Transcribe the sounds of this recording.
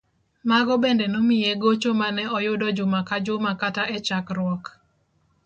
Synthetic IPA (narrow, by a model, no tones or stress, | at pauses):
maɡɔbendenomɪjeɡot͡ʃomanɛɔjʊdɔd͡ʒʊmakad͡ʒomakataʔɛt͡ʃakɾwɔk